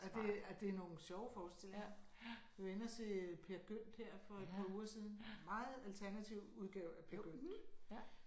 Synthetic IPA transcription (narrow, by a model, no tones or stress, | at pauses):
ʔɒd̥e̝æd̥e̝no̝ːnɕɒʊfɒːsd̥e̝l̰e̝ŋŋɐ | jiʋenɐt͡sʰe̝pʰe̝ɐɡ̥øn̰d̥heɐ̰fɒ̽e̝d̥̚pʰɑ̈uːɐsið̞ˠn̩mɑ̈ːð̩ˠælt͡sʰæɐnæt͡sʰiʊ̰uð̞ˠɡ̥ɛʊæpʰe̝ɐɡ̥øn̰̥